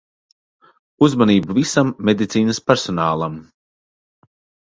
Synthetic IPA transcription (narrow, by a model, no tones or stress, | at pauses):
uzmaniːbuvisamːed̪it̪siːnɐspɛɾsɔnaːlˠam